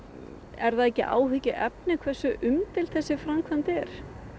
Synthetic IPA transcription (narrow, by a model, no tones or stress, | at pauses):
ɛ̰ɾðaðɛcːɪ̰ʔa̰ːwɦʏcɪʔɛpnɪkʰvɛ̥sʏʔʏmt̪ʰɪlθɛsːɪfɾamkʰvant̪ɛɾ̥